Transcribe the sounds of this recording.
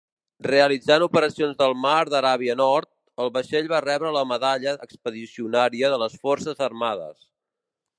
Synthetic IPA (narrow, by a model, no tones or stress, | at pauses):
reəlid͡zanupəɾəsionzðəlˠmaɾðəɾaβiənɔɾt̪̚ | əlˠβəʃeʎβarɛβɾələməðaʎəʔəkspəðisiunaɾiəðələsfɔrsəzərmaðə̰s